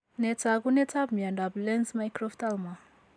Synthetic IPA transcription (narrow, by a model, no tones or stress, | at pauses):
net͡saɡunet͡sap̚miaɳdablensmajkɾoft̪alma